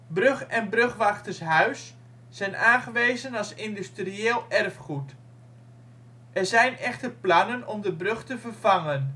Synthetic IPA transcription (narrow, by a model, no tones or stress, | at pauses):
brɵχɛnbrøχʋaχtərsɦœɥsː | ɛjnʔaːnχəʋejzənɑlˠsɪndystrieːlˠɛrfχut | ʔɛrzɛjnɛχtərplɑnənɔmdəbrøχtəvərvɑŋən